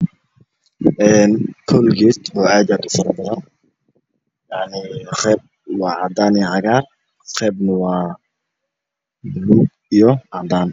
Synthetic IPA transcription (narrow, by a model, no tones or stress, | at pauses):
ʔɛːnkʰɔlɡiːt̪ɔːʔaːd̪aːd̪ʊfɐɾbɐðɐn | jaʕniχɛːb̚ | wɑːʕɑd̪aːniʕɑɣaːr | qɛːbnɐwɑː | luːɡ̚ | ijɔʕɑd̪aːn